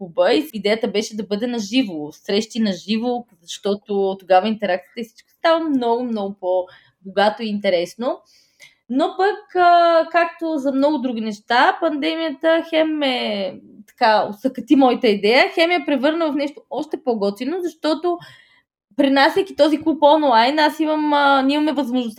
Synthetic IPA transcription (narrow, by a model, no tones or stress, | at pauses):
obəiid̪ɛjət̪əbɛʃɛd̪ɐbɤd̪ɛnɐʒivosɾɛʃt̪inɐʒivozɐʃt̪ɔt̪ot̪oɡavəint̪ɛɾakt̪ijə̥t̪əifsi̥t͡ʃkə̥st̪avəmnɔɡʊmnɔɡʊpo | boɡat̪oiːnt̪ɛɾɛsno | nopəkːkakt̪ozɐmnɔɡʊd̪ɾuɡ̟inɛʃt̪apɐnd̪ɛmijət̪əxɛmɛt̪ɐ̥kao̰sɐkɐt̪imɔjət̪əid̪ɛjəxɛmjəpɾɛvɤɾnəvɐfnɛʃt̪oɔʃt̪ɛpoɡɔt̪vinozɐʃt̪ɔt̪o | pɾinasʲɐkʲit̪ɔziklˠupɔnlˠajnasimɐmimɐmɛvɐzmoʒnʊst̪